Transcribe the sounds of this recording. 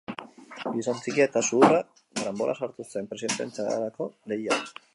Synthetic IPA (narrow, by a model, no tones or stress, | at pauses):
ɡisont͡sikiaet̪asuːra | ɡɾambo̞lʔa̰saɾt̪use̞mpɾesint̪ḛnt͡sa̰ɾako̞le̞ja